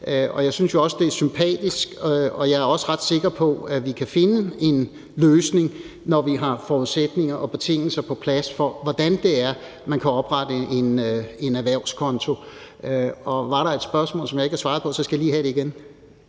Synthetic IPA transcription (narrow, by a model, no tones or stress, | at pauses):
øɒ̽jɑ̈ɪsynsjo̝ɒ̽səd̥e̝æɐsympʰɛ̰ːd̥isɡ̥ɒ̽jɑ̈ɪæɐɒ̽səʁɑd̥se̝ɡ̥ɐpʰɒ̽æʋikʰæfe̝nəe̝n | løːsne̝ŋ | nɒʋiɦɑ̈fɒːuðˠsed̥ne̝ŋɐʔɒ̽b̥e̝t͡sʰe̝ŋ̰l̩sɐpʰɒ̽pʰlæsfɒʋɒd̥ænd̥e̝æɐ | mænkʰæɒ̽b̥ʁɑd̥əe̝ne̝næʋæɐ̰ʊ̰skʰɒ̽nt͡sʰo̝ | øɒ̽ʋɑ̈ɾɑ̈e̝d̥sb̥ɶɐsmɔ̰ːlsɒ̽mjɑ̈eɡ̥hɑsʋɑ̈ːð̩ˠpʰɒ̽sɒ̽sɡ̥æjalḭːhæɾ̥e̝iɡ̥en